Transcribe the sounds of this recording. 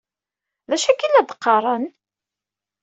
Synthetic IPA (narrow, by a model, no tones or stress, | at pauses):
ðæʃækːilæd̪qːɑɾˤən